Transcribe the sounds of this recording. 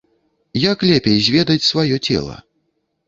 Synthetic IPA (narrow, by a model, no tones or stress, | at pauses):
jaklʲɛpʲejzʲvʲɛd̪ɐt͡sʲsvajɔt͡sʲɛ̰lˠɐ̰